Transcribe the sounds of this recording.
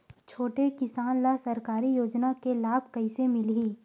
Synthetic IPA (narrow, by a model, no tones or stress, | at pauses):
t͡ʃʰoːʈekɪsaːnlasɐɾkaːɾijoːd͡ʒnakelaːbʱkɐɪsemɪlɦiː